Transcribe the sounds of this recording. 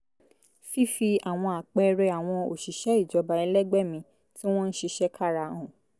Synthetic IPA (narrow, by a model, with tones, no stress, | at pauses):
fi˦fi˧a˨w̃ɔ̃˧a˨k͡pɛ˧ɾɛ˧a˨w̃ɔ̃˧o˨ʃi˨ʃɛ˨˦i˦˨d͡ʒɔ˨˧˦ba˧ɛ˧lɛ˦ɡ͡bɛ˦˨mĩ˧ | ti˦w̃ɔ̃˦n̩˦ʃi˧ʃɛ˦kʰa˦˨ɾa˧ɔ̃˨